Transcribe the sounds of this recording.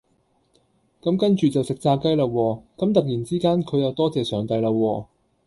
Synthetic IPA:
kɐ˨˥mkɐ˥nt͡ʃyː˨t͡sɐ˨wsɪ˨k̚t͡saː˧kɐ˥jlaː˧wɔː˧kɐ˨˥mt̪ɐ˨k̚jiː˨˩nt͡siː˥kaː˥nkʰɵ˨˧ɥjɐ˨wt̪ɔː˥t͡sɛː˨sœː˨˩ŋt̪ɐ˧jlaː˧wɔː˧

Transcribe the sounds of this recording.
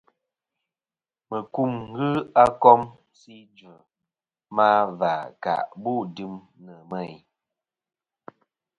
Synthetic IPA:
mə˨ku˦ŋŋ̩˦ɡɨ˦a˦kɔ˦m | si˦d͡ʒə˨ | ma˦va˨ka̰˨ʔbu˦˨dɨ˦m | nə˨mə˦˨j

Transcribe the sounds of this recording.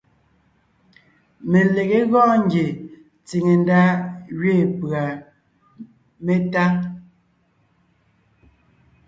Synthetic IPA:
me˨le˨ɣe˦ɣɔ̃˦ŋ˦ɡje˨ | t͡si˨ŋe˨n˦da˦ɣɥe˦˨pɰa˨ | me˦ta˦

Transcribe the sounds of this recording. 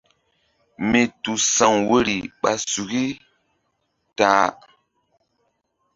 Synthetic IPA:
me˨tu˨sa˨ŋwe˦ɾi˨ɓa˨su˨ki˦ | taː˨˦

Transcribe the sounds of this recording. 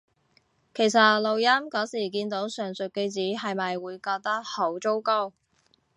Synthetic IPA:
kʰe˨˩js̬ɐ˨lo˨wjɐ˥mkɔː˨˥siː˨˩kiː˧nt̪o˨˥wsœː˨˩ŋsɵ˨t̚ke˧t͡siː˨˥ɦɐ˨jmɐ˨jwuː˨˧jkɔː˧k̚t̪ɐ˥k̚ho˨˥wt͡so˥wko˥w

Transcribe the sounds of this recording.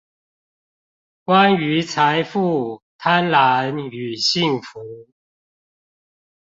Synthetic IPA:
kwa˦ny˨˦t͡sʰa˨˦ɪfu˥˩t̪ʰa˦nla˨˦ny˨˩ɕi˥˨˩ŋfu˨˦

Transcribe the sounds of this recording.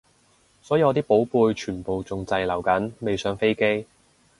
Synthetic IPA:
sɔː˨˥ji˨˧ɔː˨˧t̪iː˥po˨˥wpuː˧jt͡ʃʰyː˨˩npo˨wt͡sʊ˨˧ŋt͡sɐ˧jlɐ˨˩wkɐ˨˥nme˨jsœː˨˥ŋfe˥jke˥j

